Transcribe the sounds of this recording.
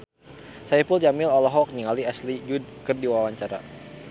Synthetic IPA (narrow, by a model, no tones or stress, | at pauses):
sajpuld͡ʒamilɔlɔɦɔk̚niŋaliaslid͡ʒud̚kərdiwawaɲt͡ʃaɾa̰